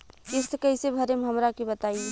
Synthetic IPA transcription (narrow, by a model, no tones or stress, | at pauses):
ɪskəɪsebʱəɾemeɦəmɾakibət̪aie